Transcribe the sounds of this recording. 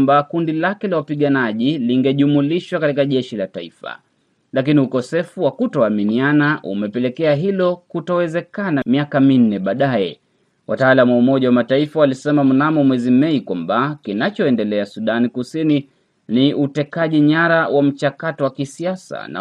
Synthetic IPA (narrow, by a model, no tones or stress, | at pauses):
mbakundilakɛlawapiɠanaʄiliŋɡɛʄumuliʃwakatikaʄɛʃilataifa̰ | lak̬iniukɔsɛfuwakutɔaminianaʔṵmɛpɛlɛkɛaɦilɔkutawɛzɛkanamiakamin̩nːɛɓaːɗaɛ | wataaːlamuwaumɔʄawamataifawalisɛmam̩namumwɛzimɛikwambakinat͡ʃɔɛndɛlɛasuɗanikusini | niʔutɛkaʄiɲaɾawʔam̩t͡ʃakatɔwakisiasa̰na̰